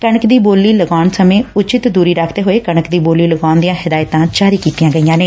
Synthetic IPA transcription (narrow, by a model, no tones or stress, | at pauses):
kəɳəkd̪iːboːlːiːləɡaːnsəmẽːʊt͡ʃɪt̪d̪uːɾiːɾaːkʰd̪eːɦoːeːkəɳəkd̪iːboːliːləɡaːnd̪ɪjãːɦɪd̪aːjt̪ãːt͡ʃaːɾiːkiːt̪ɪjãːɡəijãːneː